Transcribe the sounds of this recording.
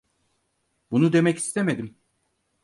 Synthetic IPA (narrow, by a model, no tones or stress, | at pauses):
bunud̪e̞mɛci̥st̪ʰemed̪im